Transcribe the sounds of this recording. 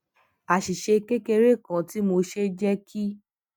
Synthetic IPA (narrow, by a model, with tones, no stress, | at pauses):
a˨ʃi˨ʃe˧ke˦ke˧ɾe˦˨kã˨ti˨˦mo˧ʃe˦d͡ʒɛ˦kʰi˦